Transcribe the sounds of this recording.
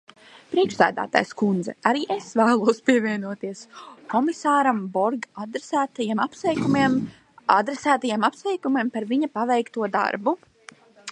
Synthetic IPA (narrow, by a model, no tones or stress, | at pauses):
pɾiɛkʃsæːd̪æ̰ːt̪a̰ːjskund̪zɛ̰aɾiːʔesvæːlˠuɔspiɛvʲiɛnuɔt̪iɛskɔmisaːɾambɔɾɡad̪ɾsæːt̪ajemapsɛkumm | ad̪ɾesæːt̪ajamapsvɛjkumempaɾviɲapavɛjkt̪uɔd̪a̰ɾbu